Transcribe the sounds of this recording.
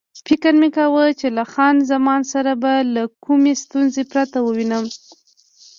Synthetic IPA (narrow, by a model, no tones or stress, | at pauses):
fɪkəɾmekawət͡ʃelaxɑnzamɑnsaɾabalakʰumest̪unzepɾat̪awəwinəm